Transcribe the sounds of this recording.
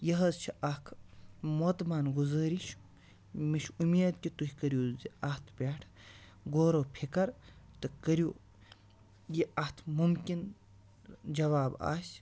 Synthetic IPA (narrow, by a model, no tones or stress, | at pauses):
jɐɦɐzt͡ʃʰiʔɐkʰmoːt̪maːnɡuzɐːɾiʃu̥ | miʃumeːd̪̚kʲit̪uhikɐɾjuːziɐht̪ʰbʲeːʈʰ | ɡoːɾoːpʰikɐɾt̪ɨkɐɾjuː | jiʔɐht̪ʰmumkin | d͡ʒɐʋaːba̰ːsʲ